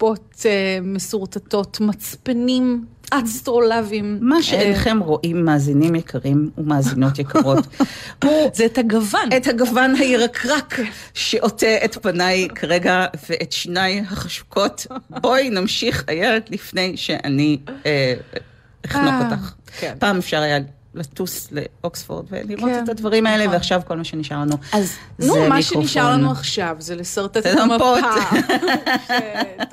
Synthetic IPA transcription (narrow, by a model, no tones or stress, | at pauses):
potemesuʁtato̞tmat͡spenim | ʔastʁolavimmaʃeenχe̞mʁo̞ʔimːaːzinimjekʰaʁimumaːzino̞tjekaʁo̞t | zethaɡavanethaɡavanhaiʁakʰʁakʃeʔo̞teetpanajkʰaʁeɡaveʔetʃnajɦaχaʃu̥kʰo̞tbo̞jnamʃiχa̰jeledlifne̞jʃeʔa̰nie | iχnokotaχpaːmefʃaʁaja | latuslḛoksfo̰ʁd̪vḛliʁo̞tetadvaʁimaeleveaχʃavko̞lmaʃeniʃaʁlanuazzemaikoiʃaʁlanuaχʃavzelesaʁt̪apot